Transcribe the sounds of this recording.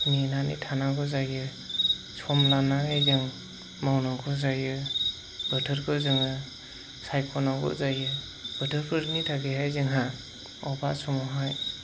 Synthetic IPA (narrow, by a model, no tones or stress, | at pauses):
minanḭtʰanaɡɔzajɯ | sʰɔmlanaɦajzɯŋ | mawnakʰɔzajɯ | b̥ɯtʰɯɾkʰɯzɯŋɯ | sajkʰɔnaɡɔ̰zajɯ | b̥ɯtʰɯɾpʰɯɾnitʰaɡeɦajzɯŋɦa | ɔbasʰɔmɔɦaj